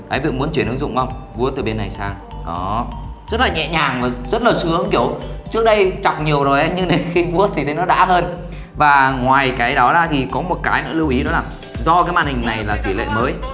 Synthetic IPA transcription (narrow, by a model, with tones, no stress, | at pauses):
kaː˨˦jvḭ˧˨ŋmu˨˦ənt͡ɕwi˧˩ənɨ̰˨˧˦ŋzʊ̰˧˨ŋ͡mwŋ͡mvu˧ət̪ɨː˨˩ɓe˧nːa˨˩jsaː˧ŋ | ɗɔ˨˦zə˦˥t̚laː˨˩ɲɛ̰˧˨ɲaː˨˩ŋvaː˨˩zə˦˥t̚laː˨˩sɨ˨˦˨ŋ͡mki˧˩ə˩˨wt͡ɕɨ˦˥k̚ɗə˧jt͡ɕa˨˩wk͡p̚ɲi˨˩əwzo˨˩jʔa˨˦ɲɨ˧ŋɗe˨˦xi˧vu˦˥ət̪̚ʰi˨˩t̪ʰe˨˦jnɔ˨˦ɗa̰ː˧˥ɦəː˧n | vaː˨˩ŋwaː˨˩jkaː˨˦jɗɔ˨˦ɗaː˧˩t̪ʰi˨˩kɔ˨˦mo˨˩t̚kaː˨˦jnə̰ː˧˥lɨ˧wʔi˨˦ɗɔ˨˦laː˨˩ | zɔ˧kaː˨˦jma̰ː˧˨nhï˨˩ŋ̟na˨˩jlaː˨˩t̪i˧˩lḛ˧˨məː˨˦j